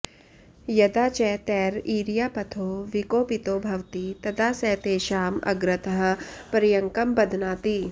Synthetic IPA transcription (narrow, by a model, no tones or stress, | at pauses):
jɐd̪aːt͡ʃɛːt̪ɛːɾiːɾijaːpɐt̪ʰoːʋikoːpit̪oːbʱɐʋt̪it̪ɐd̪aːsɛːt̪eːʃaːmɐ̰ɡɾɪt̪ɐɦ̆pɐɾjɐŋkɐmbɐd̪ʱnaːt̪iː